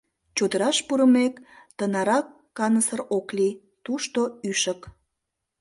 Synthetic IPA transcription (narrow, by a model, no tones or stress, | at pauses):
t͡ɕud̪əɾɑʃpuɾəmekt̪ənɑɾɑkːɑnəsərokli | t̪uʃt̪oyʃək